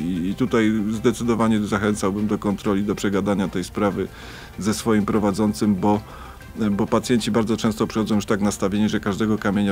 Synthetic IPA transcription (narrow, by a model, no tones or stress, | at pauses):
iːt̪ut̪ajzd̪ɛt̪sɘd̪ɔvaɲɛzaxɛnt̪sawbɘmd̪ɔkɔnt̪ɾɔlʲid̪ɔpʂɛɡad̪aɲat̪ɛjspɾavɘ | zɛsfɔjimpɾɔvad̪zɔnt̪sɘmbɔ | bɔpat̪sʲjɛɲt͡ɕibaɾd̪zɔt͡ʂɛ̃w̃st̪ɔpʂɨ̥xɔd̪ɔ̃w̃juʂt̪aknast̪avʲjeɲɛʐɛkaʐd̪ɛɡɔkamʲeɲa